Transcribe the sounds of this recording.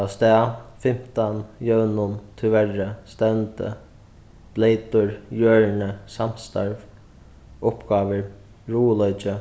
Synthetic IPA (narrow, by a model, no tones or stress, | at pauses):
ast̪ɛːfɪm̥t̪anjœwnʊnt̪ʰɪʋɛrəst̪ɛnt̪ə̰ | b̥lejt̪ʊɹjøːɻnəsam̥st̪a̰ɹv | ʊpɡ̥aːʋəɹ | ɹuːlœʏt͡ʃə